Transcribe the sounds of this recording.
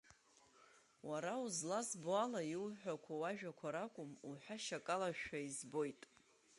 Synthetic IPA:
waɾauzlazboalailħʷᶣakʷʰawaʒᶣakʷʰaɾakʷʼʊmuħʷᶣaʃakʼalaʃᶣaizbo̞jtʼ

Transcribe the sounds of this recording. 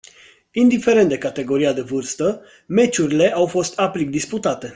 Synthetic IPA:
ind̪ife̞ɾent̪d̪e̞kat̪e̞ɡo̞ɾiad̪e̞vɨrst̪ə | me̞t͡ʃuɾile̞ʔawfo̞st̪ʰaplik̚d̪isput̪at̪e̞

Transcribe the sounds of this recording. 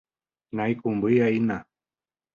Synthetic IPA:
najkʊmbɨjaina

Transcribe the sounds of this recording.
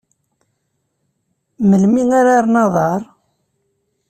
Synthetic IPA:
məlmiŋaɾaɾnɑðˤɑɾˤ

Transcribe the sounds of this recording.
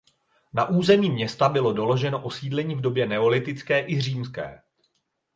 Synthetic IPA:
naʔuːzɛmiːmɲɛst̪abɪlo̞do̞lo̞ʒɛno̞ʔo̞siːdlɛɲiːvdo̞bjɛnɛo̞lɪt̪ɪt͡skɛːʔɪr̝iːmskɛ̰ː

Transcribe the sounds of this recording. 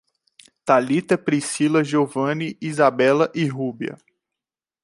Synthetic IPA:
t̪alit̪ɐpɾisilɐʒovɐ̃niizabɛlɐʔiɦubiɐ̰

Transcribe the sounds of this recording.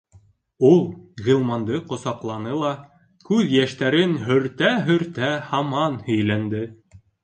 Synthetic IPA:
ulˠʁĭlˠmɑnd̪ɤqŏsɑqlˠɑnɤlˠɑ | kʉðjæʃt̪æɾɘnɦɵ̆ɾt̪æɦɵ̆ɾt̪æhɑmɑnhɵ̆jlænd̪ɘ

